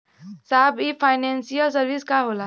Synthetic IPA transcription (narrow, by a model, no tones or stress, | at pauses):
sabipʰajnensijəlsəɾʋiskaɦola